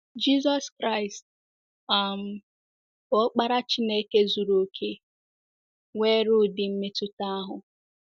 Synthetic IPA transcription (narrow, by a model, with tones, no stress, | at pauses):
d͡ʒi˦zɔ˦skɾa˦ɪ˨st̚ | a˨m̩˨ | bɔ˦k͡pa˦ɾa˦t͡ʃi˦ne˦ke˦zu˨ɾo˨kʰe˦ | ŋʷe˦ɾʊ˦˨dɪ˨m̩˦me˦tʊ˦ta˦a˦ɦʊ˨